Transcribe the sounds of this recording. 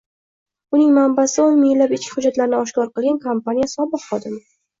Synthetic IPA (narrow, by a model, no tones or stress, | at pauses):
ʊnɪŋmambasɪonmɪlːapɪt͡ʃkʲɪ̥hʊd͡ʒat̪laɾnɪɒʃkɒɾqɨlˠɡʲankʰompanijasɒbɨqχɒd̪ɪmɪ